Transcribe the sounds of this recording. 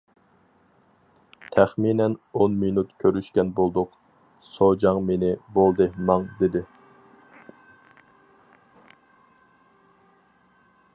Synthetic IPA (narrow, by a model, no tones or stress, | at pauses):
t̪ʰæχminɛnonminut̪kʲʰøɾyʃkʲɛnbolˠd̪ʊq | sod͡ʒɑŋmenɪbolˠd̪ɨmɑŋd̪ɪd̪ɪ